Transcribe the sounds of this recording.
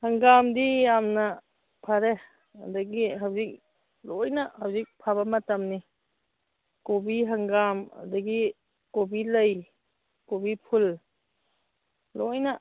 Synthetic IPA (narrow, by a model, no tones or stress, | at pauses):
haŋɡamdijamna | pʰaɾe | a̰daɡiɦawzik̚ | lɔjnahawzik̚pʰabamatamni | kobiɦaŋɡama̰daɡi | kobiləj | kobipʰul | lɔjna